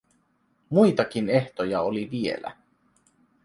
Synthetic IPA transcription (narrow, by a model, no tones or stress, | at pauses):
mujt̪ɑkine̞ht̪ojɑoliʋie̞̰læ̰